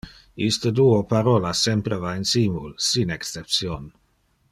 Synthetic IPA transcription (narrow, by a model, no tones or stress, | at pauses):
ist̪əd̪uːopaɾolasempɾevainsimulsinekst͡sep̪̚sjon